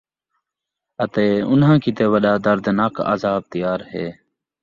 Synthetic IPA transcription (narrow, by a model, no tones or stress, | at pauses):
ət̪eːʊnɦãːkiːt̪eːʋəɗaːd̪əɾd̪naːka̰ːzaːb̚t̪ɪjaːɾheː